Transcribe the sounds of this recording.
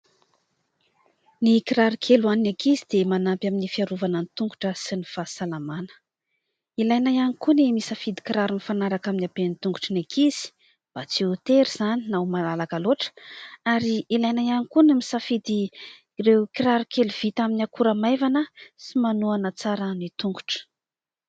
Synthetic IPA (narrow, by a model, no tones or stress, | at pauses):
nikiɾaɾukʰeluaninekʰizid̪emanampjaminifiaɾuvanənit̪uŋɡuʈ͡ʂəsinifasalamanə̥ | ilajnajanikunemisafid̪i̥kiɾaɾunifanaɾakaminiabenit̪uŋɡuʈ͡ʂənekʰiz̥i̥ | b̥at͡siut̪eɾiz̥aninawmalalakaloʈ͡ʂə̥aɾiilajnajanikunimisafid̪i | rewkiɾaɾukeluv̥it̪aminakuɾamajvanəsimanuanət͡saɾənit̪uŋɡu̥ʈ͡ʂə̥